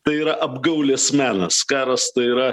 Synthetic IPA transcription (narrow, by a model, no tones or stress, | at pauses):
t̪ɐɪiːɾɐʔɐbɡɐʊlʲeːsmʲæːnɐskɑːɾɐst̪ɐɪɪɾɐ